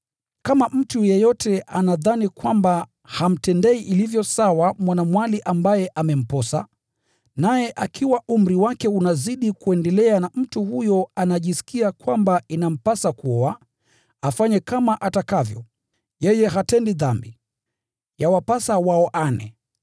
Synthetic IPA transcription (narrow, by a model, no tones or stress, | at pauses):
kamam̩tujɛjɔtʰɛʔanaðanikwamba | ham̩tɛndɛiʔilivjɔsawamwanamwaliʔambajɛʔamɛm̩pɔsa̰ | najɛʔakʰiwaum̩ɾiwakɛunaziɗikuɛndɛlɛanam̩tuhujɔanaʄisi̥kiakwambainam̩pasakuɔa | afaɲɛkamaʔatakavjɔ̰ | jɛjɛɦatɛndiðambi | jawapasawaɔʔanɛ̰